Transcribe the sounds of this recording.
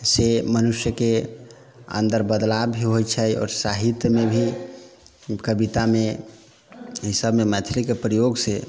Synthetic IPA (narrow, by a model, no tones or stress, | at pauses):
semənusjəke | ə̰̃nd̪əɾbəd̪labbʱiɦojt͡ʃʰəjɔ̰ːɾsaɦit̪jəmebʱi | kəbit̪ame | ɦisəbmemət̪ʰilikepɾəjoɡse